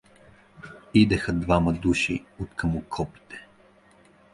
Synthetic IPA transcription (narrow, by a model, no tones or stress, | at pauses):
id̪ɛxəd̪vaməd̪uʃiot̪kʰəmʊkʰɔpi̥t̪ɛ̥